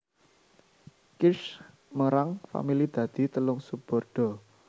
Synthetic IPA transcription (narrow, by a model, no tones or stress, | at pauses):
kɪʃ | məɾaŋfa̰milid̪̥ä̤d̪̥i̤t̪əlʊŋsub̥ɔ̤rɖ̥ɔ̤